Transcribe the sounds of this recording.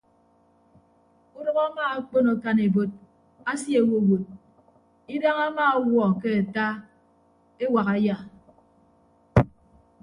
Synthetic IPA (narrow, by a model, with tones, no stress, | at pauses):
u˦dɔ˦ɣa˦maː˦a˦k͡po˦no˨ka˦ne˨bo˦t̚ | a˦sje˨wo˦˨wo˨t̚ | i˦da˦ŋa˦ma˦wɔ˨ke˦a˨ta˦ | e˦wa˨ɣa˨ja˨